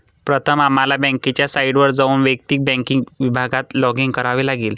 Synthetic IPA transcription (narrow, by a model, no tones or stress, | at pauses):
pɾət̪ʰəmamalabɛ̃ŋkit͡ɕjasaiɽʋəɾd͡zauːnʋek̚t̪iːk̚bɛ̃ŋkiŋɡʋibʱaɡat̪lɔɡiŋɡkəɾaʋiːlaɡiːl